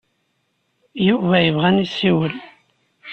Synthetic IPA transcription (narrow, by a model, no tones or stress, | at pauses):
juvæjəvʁænisːiwəl